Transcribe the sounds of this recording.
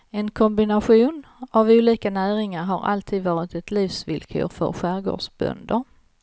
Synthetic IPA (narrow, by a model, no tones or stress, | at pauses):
ɛnkʰɔmbɪnaɧuːnavuːliːkanæːɾɪŋaɾɦaɾa̰lt̪ʰiːd̪vɑːɾɪt̪ɛt̪liːfsvɪlkʰø̰ːɾfœ̰ɾɧæːɾɡo̰ːʂbœ̰nd̪əɾ